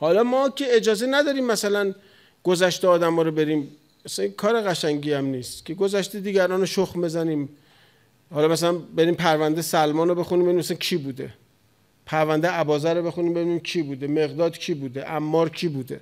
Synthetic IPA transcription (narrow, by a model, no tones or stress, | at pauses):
hɒːlɒːmɒːcʰe̞ed͡ʒɒːzenæd̪ɒːɾiːmːæsælæn | ɡ̥ozæʃt̪eɒːd̪æmɒːɾobe̞ɾiːm | æsækʰɒːɾe̞ɣæʃæŋɟiːæmniːst̪cʰeɡo̞zæʃt̪ed̪iːɟæɾɒːnoʃoxmbe̞zæniːm | hɒːlɒːmæs̬ælænbe̞ɾiːmpʰæɾvænd̪esælmɒːnobe̞xunimbeinimæsæncʰiːbuːd̪ḛ | pʰæɾvænd̪eæbɒːzæɾobe̞xuniːmbe̞biniːmcʰiːbuːd̪e̞me̞ɣd̪ɒːd̪kʰiːbuːd̪eʔæmːɒːɾcʰiːbuːd̪e̞